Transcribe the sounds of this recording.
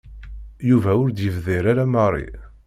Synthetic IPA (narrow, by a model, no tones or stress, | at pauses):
juvæʊɾd̪jəvðiɾaɾæmɑrˤːḭ